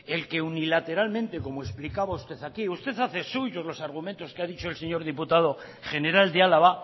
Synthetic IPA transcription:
e̞lke̞unilat̪e̞ɾalmẽ̞nt̪e̞ko̞moesplikaβaust̪e̞θakiust̪e̞θaθe̞suʝo̞zlo̞saɾɣ̞umẽnt̪o̞skeaðit͡ʃoelse̞ɲo̞ɾð̞iput̪aðo̞ | χe̞ne̞ɾald̪ealaβa

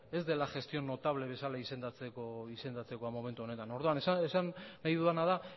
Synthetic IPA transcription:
e̞zd̪e̞laʝe̞st̪io̞nːo̞t̪aβle̞β̞e̞salaise̞nd̪at͡sekoise̞nd̪at͡se̞ko̞amo̞me̞nt̪uone̞t̪ano̞ɾðoaneesanːajðuanaða

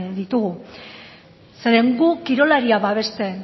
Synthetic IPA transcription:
ðit̪uɣu | se̞ɾeŋɡukiɾo̞laɾiaβaβe̞st̪e̞

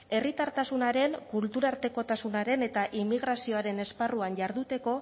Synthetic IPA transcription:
e̞rit̪aɾt̪asunaɾe̞ŋkult̪uɾaɾt̪e̞ko̞t̪asunaɾe̞ne̞t̪aʔimːiɣ̞ɾasio̞aɾe̞ne̞sparuanʝaɾðut̪e̞ko̞

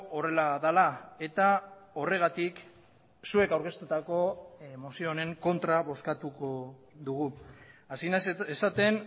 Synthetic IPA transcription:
ore̞laðalae̞t̪ao̞re̞ɣ̞at̪ik | sue̞kawɾke̞st̪ut̪ako̞emosio̞ne̞ŋko̞nt̪ɾaβo̞skat̪ukoðuɣ̞uasinaesat̪e̞n

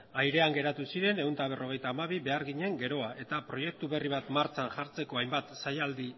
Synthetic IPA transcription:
ajɾe̞aŋɡe̞ɾat̪usiɾe̞ne̞unt̪aβ̞e̞ro̞ɣ̞e̞jt̪aːmaβ̞iβe̞aɾɣiɲe̞ŋɡe̞ɾo̞aʔe̞t̪apɾo̞je̞k̚t̪uβe̞riβ̞at̪maɾt͡sanʝaɾt͡se̞ko̞ajmbat̪sajald̪i

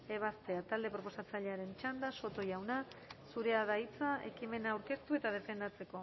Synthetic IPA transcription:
e̞β̞ast̪e̞at̪ald̪e̞pɾo̞po̞sat͡saʎeaɾe̞nt͡ʃand̪aso̞t̪o̞jawnasuɾe̞aðait͡saʔe̞̰kime̞naːwɾke̞st̪ue̞t̪aðe̞fe̞nd̪at͡se̞ko̞

